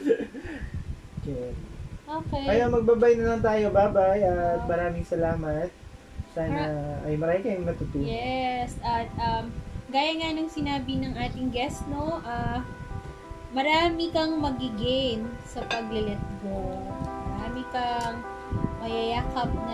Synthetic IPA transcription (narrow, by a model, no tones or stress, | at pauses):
okɛʔoːkɛɐjaŋmɐɡ̚baːbajnɐlɐnt̪aːjobaːbajɐt̪̚mɐɾaːmɪŋsɐlaːmɐt̪̚ | saːnɐʔɐjmɐɾaːmɪkɐjʊŋmɐŋɐt̪ʊt̪ɪjɛsʔɐt̪̚ʔɐmɡaːjɐŋanɐŋsɪnaːbɪnɐŋʔaːt̪ɪŋɡɛst̪no̞ʔa | mɐɾaːmɪkɐŋmɐɡɪɡɪnsɐpɐɡlɐlɛt̪̚ɡomɐɾaːmɪkɐŋ | mɐjɐjaːkɐp̚nɐ